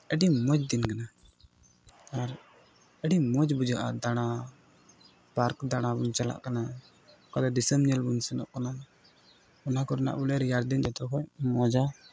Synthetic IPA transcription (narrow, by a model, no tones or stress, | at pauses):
ɛɖimɔd͡ʒd̪inkana | aɾ | ɛɖimɔd͡ʒbud͡ʒaʔa̰d̪aɽ̃a | paɾkd̪aɽ̃abunt͡ʃala̰ʔkana | kad̪ɔd̪isəmɲɛlbunsɛnɔ̰ʔkana | ɔnakɔɾɛna̰ʔbulɛɾjaɾd̪ind͡ʒɛt̪ɔkɔmɔd͡ʒa